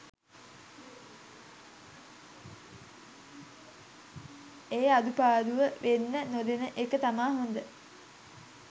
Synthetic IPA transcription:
eːad̪upaːd̪uʋəʋenːənod̪enəʔekət̪amaːɦond̪ə

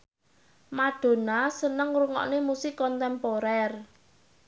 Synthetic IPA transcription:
maɖ̥o̤nasənəŋruŋɔ̰ʔnemusɪkɔnt̪ɛmpoɾɛr

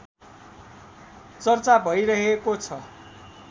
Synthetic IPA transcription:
t͡sʌrt͡sabʱʌjɾʌɦekot͡sʰʌ

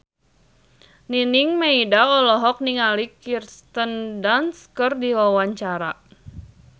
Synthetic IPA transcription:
niniŋmeidaɔlɔɦɔk̚niŋalikirst̪əndanskərdiwawaɲt͡ʃaɾa̰

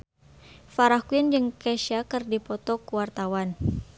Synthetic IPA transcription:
faɾakuind͡ʒɨŋkɛʃakɨrdipɔt̪ɔkuwart̪awan

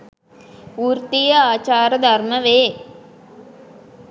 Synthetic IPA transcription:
uːrt̪ijəaːt͡ʃaːɾəd̪arməʋeː

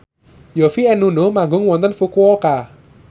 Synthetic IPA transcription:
jofiɛnunomaŋɡʊŋwɔnt̪ənfukuɔka

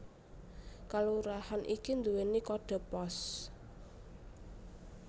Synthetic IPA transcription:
kaluɾahanʔḭkind̪uwenikɔɖ̥ɔ̤pɔs

